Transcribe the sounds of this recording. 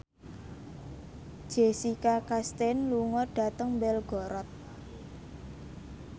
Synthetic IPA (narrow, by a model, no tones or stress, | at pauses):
d̥ʒ̥esikakast̪ɛnluŋɔɖ̥a̤t̪əŋmbɛlɡ̥ɔɾɔt̪̚